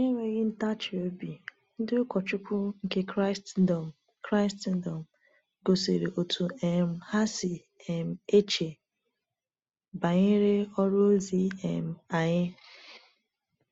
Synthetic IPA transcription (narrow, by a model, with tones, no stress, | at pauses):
e˦ŋʷe˦ɣɪ˦n̩˦ta˦t͡ʃɪ˨o˦bi˨ | n̩˦dɪ˦ʊ˦kʷɔ˨t͡ʃʊ˦kʷʊ˦ŋ̩˦ke˦kɾa˦stdɔ˨m̩˨ | kɾa˦ɪ˦sti˦n˦dɔ˨m̩˨ | ɡo˨sḛ˨ɾḛ˨ʔo˨tʰu˨ɛ˨m̩˨ha˦si˨ | ɛ˨m̩˨e˦t͡ʃe˨ | ba˨ɲɪ˦ɾe˦ɔ˦ɾʊ˦o˦zi˦ɛ̰˨m̩˨a˨ɲɪ˦